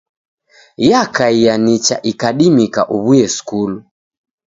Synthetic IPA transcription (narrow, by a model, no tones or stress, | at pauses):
jakaijanit͡ʃa̰ʔikaɗimika̰ʔuβujɛskulu